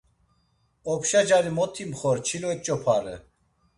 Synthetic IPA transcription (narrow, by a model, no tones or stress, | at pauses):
ɔpʰʃad͡ʒaɾimɔt̪ʰimχɔɾt͡ʃʰilɔɛt͡ʃʼɔpʰaɾə̰